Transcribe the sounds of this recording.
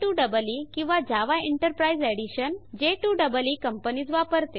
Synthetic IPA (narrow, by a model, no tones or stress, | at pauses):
ʈuɖəbəlikĩw̃ʋad͡ʑaʋaeɳʈəɾpɾaid͡zɛɽiɕənd͡ʑeʈuɖəbəliːkəmpənid͡zʋapəɾt̪e